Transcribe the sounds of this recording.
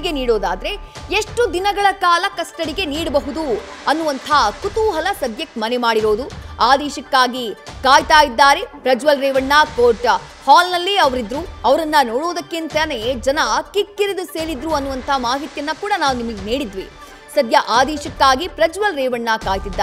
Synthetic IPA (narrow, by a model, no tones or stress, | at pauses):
ɡeniːɽoːd̪aːd̪ɐɾe̞ | eʂʈud̪inɐɡɐɭɐkaːlɐkɐsʈɐɽiɡe̞niːɽɐbɐɦud̪u | ɐnːuʋɐnt̪ʰakut̪uːɦɐlɐsɐd̪jɐkmɐnemaːɽiɾo̞ːd̪uaːd̪ɛːʃɐkːaːɡikaːjt̪aːjid̪ːaːɾe̞pɾɐd͡ʒʋɐlɾɛːʋɐɳːakoːɾʈ | haːlnɐlːeɐʋɐɾid̪ɾuɐʋɐɾɐnːɐnoːɽoːd̪ɐkːint̪ɐned͡ʒɐnɐkikːiɾed̪use̞ːɭid̪ɾuɐnːuʋɐnt̪ʰamaːɦit̪jɐnːɐkuːɽɐnaːʋunimɐɡeniːɽid̪ʋi | sɐd̪jɐʔaːd̪ɛːʃɐkːaːɡipɾɐd͡ʒʋɐlɾɛːʋɐɳːakaːjt̪id̪ːaː